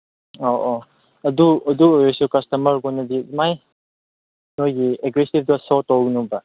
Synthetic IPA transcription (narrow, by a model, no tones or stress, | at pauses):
oʔo | ɐduɐduojɔsukɐstɐmɐɾɡɔnɐdimaj | nojɡieɡɾesib̚dɔsɔtːɔwɡnuba